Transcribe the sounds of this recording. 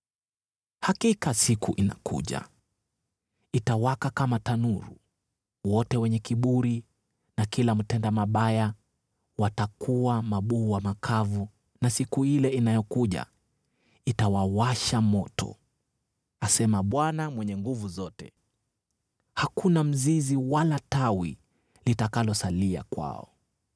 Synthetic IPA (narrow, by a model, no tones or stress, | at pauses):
hakikasikʰuʔina̰kṵʄa̰ | itawakakamatanuɾṵ | wɔtɛwɛɲɛkiɓuɾi | nakilam̩tɛndamaɓaja | watakuwamaɓuːwamakʰavu | nasikuilɛinajɔkuʄa̰ | itawawaʃamɔtɔ̰ | asɛmaɓwanamwɛɲɛŋɡuvuzɔtɛ̰ | hakunam̩ziziwalatawi | litakalɔsalia̰kwa̰ɔ̰